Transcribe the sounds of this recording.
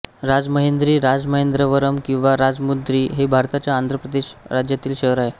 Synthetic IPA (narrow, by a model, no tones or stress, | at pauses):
ɾad͡zməɦend̪ɾiːɾad͡zməɦend̪ɾəʋəɾəmkĩw̃ʋaɾad͡zmud̪ɾiːɦebʱaɾt̪at͡ɕjaːnd̪ʱɾəpɾəd̪eɕɾad͡ʑjat̪iːlɕəɦɾaɦe